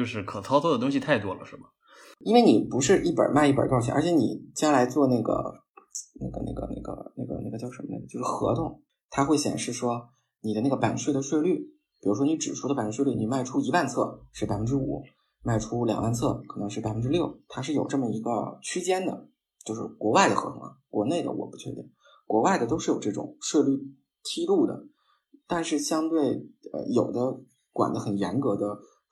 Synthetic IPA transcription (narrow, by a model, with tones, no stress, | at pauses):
jo˧ʊʂɻ̩˥˩kʰɤ˨˩t͡sʰɑ˥ʊtʰɔ˥d̪ə˩t̪ʊ˥ŋɕ̬i˨˧t̪ʰa˥˩ɪt̪wɔ˥lə˨ʂɻ̩˥˩bə˩ | i˥nwe˥˩ɪni˨˩pu˧˥ʂɻ̩˥˧ʔi˥˩pə̰˞˨˩ma˥˧ɪi˥˩pə̰˨˩kɑ˥˧t͡ɕʰy˥˩ə̰˞˧˥t͡ɕʰjɛ˧˥ni˨˩t͡ɕja˥la˧˥ɪt͡swɔ˥˧na˥˩ɡə̰˩ | na˥˩ɡə̰˩na̰˥˩ɡə̰˩na̰˥˩ɡə̰˩na˥˩ɡə̰˩na̰˥˩ɡə˩t͡ɕjɑ˥˧ʊʂə˧˥mə˧n̰˥˩ət͡ɕjo˥˧ʊʂɻ̩˥˩xɤ̰˧˥t̪ʰʊ˥˩ŋ | t̪ʰa˥xwe˥˩ɪɕjɛ̰˨˩nʂɻ̩˥˩ʂwɔ˥ | ni˨˩d̪ə˦na˥˩ɡə˩pa˨˩nɕɥɛ˥˩ɪd̪ə˩ɕɥɛ˥˧ɪly˥˩ | pi˨˩ɻu˧˥ʂ̬wɔ˥ni˧˥ʈ͡ʂɻ̩˨˩ʈ͡ʂʰu˥d̪ə˧a˧˨˩fə˥˩ɕɥɛ˥˧˥ly˥˩ni˨˩ma˥˩ɪʈ͡ʂʰu˥i˧˥wa˥˧nt͡sʰɤ˥˩ʂɻ̩˥˩pa˨˩ɪfə˥nʈ͡ʂɻ̩˥ṵ˨˩˦ | ma˥˩ɪʈ͡ʂʰu˥ljɑ̰˨˩ŋwa˥˧nt͡sʰɤ˥˩kʰɤ˨˩nɤ˧˥ŋʂɻ̩˥˩pa˨˩ɪfə˥nʈ͡ʂɻ̩˥ljo˥˩ʊt̪ʰa˥ʂɻ̩˥˩jo˨˩ʊʈ͡ʂɤ˥˩mə˩i˧˥ɡə̰˧t͡ɕʰy˥t͡ɕjɛ˥nd̪ə̰˩ | t͡ɕjo˥˧ʊʂɻ̩˥˩kwɔ˧˥wa˥˩ɪd̪ə˩xɤ̰˧˥pʰɤ˧˥ŋə̰˩kwɔ̰˧˥ne˥˩ɪd̪ə̰˩wɔ̰˨˩pu˧˥˩t͡ɕʰɥɛ̰˥t̪ḭ˥˩n | kwɔ˧˥wa˥˩ɪd̪ə˩t̪̬o˥ʊʂɻ̩˥˩jo˨˩ʊʈ͡ʂɤ˥˩ʈ͡ʂʊ̰˨˩˦ŋʂɤ˥˧ly˥˧ | t̪ʰi˥lu˥˩d̪ə̰˩ | t̪a˥˧nʂɻ̩˥˩ɕjɑ˥ŋt̪we˥˩ɪə̰˧˩jo˨˩ʊd̪ə˦ | kwa̰˨˩nd̪ə˦xə˨˩njɛ˧˥nkɤ˧˥d̪ə˧